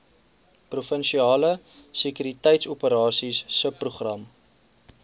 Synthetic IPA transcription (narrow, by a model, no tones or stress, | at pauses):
prufənʃiɑːlə | sekyɾitəjtsupəɾɑːsisːəpːruχrɐm